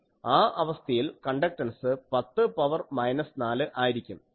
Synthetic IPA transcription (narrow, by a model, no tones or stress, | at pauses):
aːʔɐʋɐst̪ʰɐjilkɐɳɖɐk̚ʈɐnsɨpɐt̪ːɨpɐʋɐrmɐjnɐsnaːlɨʔaːjiɾikʲːum